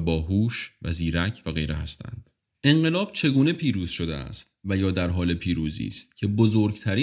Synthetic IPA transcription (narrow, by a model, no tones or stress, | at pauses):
bɒːɦuːʃvæ̰ziːɾæcʰvæɣe̞̰jɾeɦæst̪ʰæ̰nd̪̥ | e̞ŋɢe̞lɒːb̥̚t͡ʃʰe̞ɡuːne̞pʰiːɾuːz̥ʃo̞d̪eæ̰st̪̚væjɒːd̪æɾɦɒːle̞pʰiːɾuːzḭːst̪̚cʰe̞bozoɾɡt̪ʰæɾiː